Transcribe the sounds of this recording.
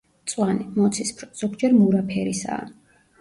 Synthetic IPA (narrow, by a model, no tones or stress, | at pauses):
t̪sʼwanimɔt̪sʰispʰɾɔz̥ɔɡd͡ʒɛɾmuɾapʰɛɾisa̰ː